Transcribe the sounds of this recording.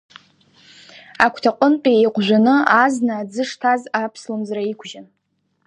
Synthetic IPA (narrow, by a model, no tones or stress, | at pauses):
akʷʰtʰaqʷʼʊnpʲʼiejqʷʼʒʷᶣanɨaznaːd͡zɨʂtʰazapʰslomzraikʷʰʒan